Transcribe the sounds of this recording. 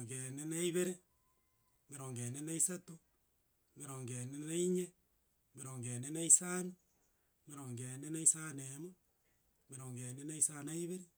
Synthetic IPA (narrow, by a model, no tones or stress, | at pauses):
ŋɡenenaiβeɾe | meɾoŋɡenenaisato | meɾoŋɡenenaiɲe | meɾoŋɡenenaisani | meɾoŋɡeːnenaisanemo | meɾoːŋɡeːnenaisanaiβeɾe